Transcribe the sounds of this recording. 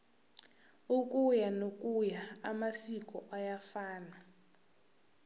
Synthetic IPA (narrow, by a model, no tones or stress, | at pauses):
uk̬ʼujanokʼujaamasik̬ʼɔʔajafaːna